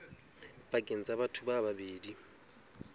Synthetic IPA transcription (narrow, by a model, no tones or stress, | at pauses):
bakʼent͡sʼabatʰubababeːdi